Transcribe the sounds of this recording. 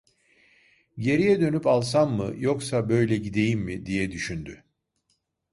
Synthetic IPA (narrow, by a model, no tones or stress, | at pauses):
ɟe̞ɾijɛd̪ø̞nypalˠsammɯ̰jo̞ksabø̞jlʲɛɟid̪e̞jimːid̪ijɛd̪yʃynd̪y